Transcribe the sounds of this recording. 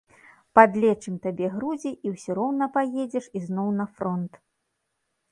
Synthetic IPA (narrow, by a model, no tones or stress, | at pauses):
pad̪lʲɛt͡ʂɨmt̪abʲɛɣɾud͡zʲiʔiwsʲiɾɔwnɐpajed͡zʲɛʂiznɔwnɐfɾɔnt̪